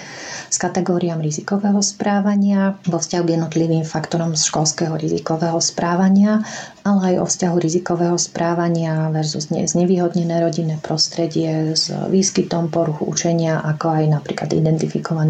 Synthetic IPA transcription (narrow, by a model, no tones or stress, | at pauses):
skat̪ɛɡɔːɾiamɾizikɔʋɛːɦɔspɾaːʋaɲɪaʋɔfscaɦuɡjɛd̪nɔt̪liʋiːmfakt̪ɔɾɔmsʃkɔlskɛɦɔɾizḭkɔʋɛɦɔspɾaːʋaɲɪa | alɛajɔ̰fscaɦuɾizikɔʋɛːɦɔspɾʔaːʋaɲɪaʋɛɾzuzɲɛ̰zɲɛʋiːɦɔd̪ɲɛnɛːɾɔɟinɛːpɾɔst̪ɾɛɟɪɛzʋiːskit̪ɔmpɔɾuxuʔṵt͡ʃɛɲɪaʔakɔajnapɾḭːkla̰d̪ḭd̪ɛnt̪ifikɔʋan